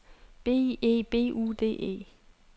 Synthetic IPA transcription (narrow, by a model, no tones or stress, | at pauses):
b̥e̝̰ːe̝̰ːb̥e̝̰ːṵːd̥e̝̰ːe̝̰ː